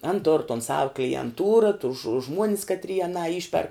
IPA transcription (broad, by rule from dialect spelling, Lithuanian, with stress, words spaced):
ɐn toːr toːn sɐw klʲiɛnˈtuːrɐ tʊs ʒʊ ˈʒmuɔnʲɪs kɐtʲˈrʲiɛ ɐˈnɑː ˈɪʃʲpʲɛrk